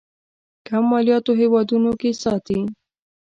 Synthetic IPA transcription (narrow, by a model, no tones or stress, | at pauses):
kamːɑlijɑt̪oɦewɑd̪unokesɑt̪i